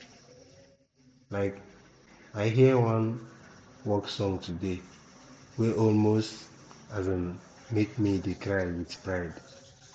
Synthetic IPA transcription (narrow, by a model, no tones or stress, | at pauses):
laɪk | aɪɦiəwãn | wɔksɔ̃ŋtʰude | wɛʔɔlmost | azãn | mekmidekʰɹaɪwidpɹaɪd